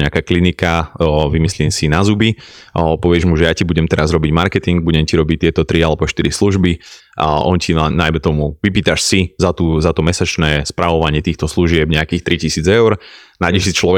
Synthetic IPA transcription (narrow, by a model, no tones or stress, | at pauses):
ɲɛakaːklinikaʋimisliːmsinazubi | pɔʋɪɛʒmuʒɛjacibuɟɛmt̪ɛɾazɾɔbiɟmaɾkɛt̪iŋɡ̚buɟɛmciɾɔbit̪ɪɛt̪ɔt̪ɾialɛbɔʃt̪iɾisluʒbi | ʔɔncinanajmɛt̪ɔmuʋipiːt̪aʃsizat̪uːzat̪ɔmɛsat͡ʃnɛːspɾaʋɔʋaɲɪɛt̪iːxt̪ɔsluʒɪɛbɲɛakiːxt̪ɾicisiːd͡zɛʊɾnaɟɛsit͡ʃlɔɛ